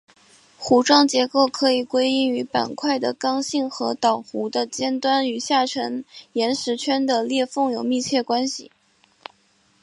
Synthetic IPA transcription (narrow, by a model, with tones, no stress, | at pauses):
xu˧˥ʈ͡ʂɑ˥ŋt͡ɕjɛ˧˥ko˥˩ʊkʰɤ˧˥i˨˩kwe˥ɪi˥˩ŋy˧˥pa̰˨˩nkʰwa˥˩ɪd̪ə˩kɑ˥ŋɕi˥˩ŋxɤ˧˥t̪ɑ˨˩ʊxu˧˥d̪ə˧t͡ɕjɛ˥nt̪wa˥ny˧˩ɕja˥˩ʈ͡ʂʰə˧˥ŋjɛ˧˥nʂɻ̩˧˥t͡ɕʰɥɛ˥nd̪ə˨ljɛ˥˧fɤ˥˩ŋjo˨˩ʊmi˥˧t͡ɕʰjɛ˥˩kwa˥nɕḭ˨˩